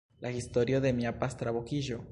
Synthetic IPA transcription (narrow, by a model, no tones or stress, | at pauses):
lʔaist̪oɾjoðemiapast̪ɾaβokiʒo